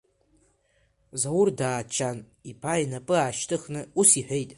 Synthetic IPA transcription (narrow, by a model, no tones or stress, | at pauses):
zawʊrdaːt͡ʃʰan | ipʰajnapʼɨaːʃtʰʼɨxnɨusiħᶣʷejtʼ